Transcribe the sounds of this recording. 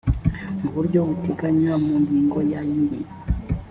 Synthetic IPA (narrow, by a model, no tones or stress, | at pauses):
mbuɾɟohuteɡaɲwamuŋɡiːŋɡojajiɾi